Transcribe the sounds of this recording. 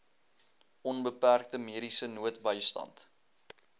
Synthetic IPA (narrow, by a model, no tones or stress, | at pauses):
ɔnbəpærk̚təmiəɾisənuətbəjstɐ̰nt